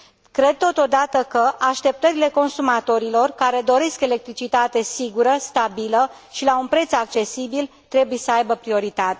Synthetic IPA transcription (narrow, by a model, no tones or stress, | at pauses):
kɾe̞d̪̚t̪o̞t̪o̞d̪at̪əkəʔaʃt̪e̞p̚t̪əɾile̞ko̞nsumat̪o̞ɾilo̞rkaɾe̞d̪o̞ɾe̞ske̞lek̚t̪ɾit͡ʃit̪at̪e̞siɡuɾəst̪abilə | ʃilaunpɾe̞t̪sak̚t͡ʃe̞sibil | t̪ɾe̞buje̞səajbəpɾio̞ɾit̪at̪e